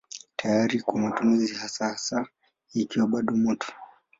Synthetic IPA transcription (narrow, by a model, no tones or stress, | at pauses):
tʰajaɾikwamatumizihasahasa | ikiwaɓaɗɔmɔtʰɔ̥